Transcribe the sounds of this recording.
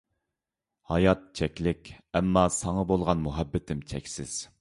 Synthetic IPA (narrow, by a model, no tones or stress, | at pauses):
hɑjɑt̪̚t͡ʃʰɛkʲlɪkʲɛmːɑsɑŋɑbolˠʁɑnmuɦɛbːɪt̪ʰɪmt͡ʃʰɛkʲsɪz̥